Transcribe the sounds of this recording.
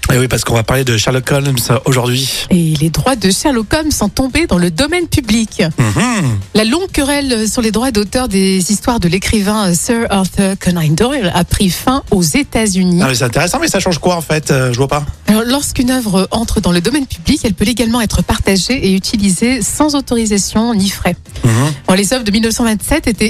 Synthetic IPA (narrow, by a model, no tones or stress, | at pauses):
awipaʁsə̥kɔ̃vapaʁled̪əʃaʁlɔkɔlsoʒuʁd̪ɥieled̪ʁwad̪əʃaʁlɔkɔmsɔ̃t̪ɔ̃bed̪ɑ̃ləd̪ɔmɛnpyblik̩ | lalɔ̃ɡkəʁɛløsyʁled̪ʁwad̪ot̪œʁd̪ezist̪waʁd̪əlekχivɛ̃sœʁɔʁθœʁkʰɔnajnd̪ɔʁlapχifɛ̃ozet̪azyniamɛsɛt̪ɛ̃t̪eʁɛsɑ̃mɛsaʃɑ̃ʒkwaɑ̃fɛt̪øʒəvwapaalɔʁlɔʁskynœvʁəʔɑ̃t̪χəd̪ɑ̃ləd̪ɔmɛnpyblikɛlpøeɡalmɑ̃ɛt̪χəpaʁt̪aʒeʔeyt̪ʰilizesɑ̃zot̪ɔʁizasjɔ̃nifχɛ | ɔlezœvʁd̪əmilnəfsɑ̃vɛ̃t̪sɛt̪et̪ɛ